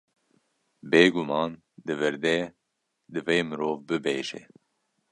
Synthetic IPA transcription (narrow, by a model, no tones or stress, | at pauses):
beːɡumɑːn | d̪ɨvɨɾd̪ɛ | d̪ɨveːmɨɾoːvbɨbeːʒɛ̰